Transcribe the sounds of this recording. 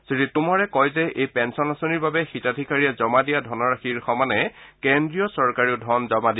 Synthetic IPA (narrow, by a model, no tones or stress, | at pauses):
siɹitʊmɔɹɛkɔjzɛʔejpɛnsɔnasoniɹbabɛxitadʱikaɹijazɔmadijadʱɔnɔɹaxiɹxɔmanɛkendɹijɔsɔɹkaɹiʊdʱɔnzɔmadi